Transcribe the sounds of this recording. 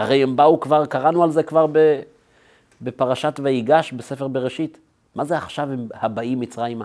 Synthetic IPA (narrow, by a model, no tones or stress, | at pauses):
aʁejembaukvaʁkaʁanualze̞kvaʁbe | be̞paʁaʃatveiɡaʃbese̞feʁbe̞ʁeʃit | mazeaχʃavimhabaimːit͡sʁajma